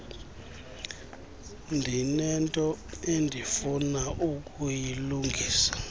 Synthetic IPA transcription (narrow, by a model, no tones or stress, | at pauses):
ndʱinɛntʼɔendʱifunaʔukʼujiluŋɡʱiːsḁ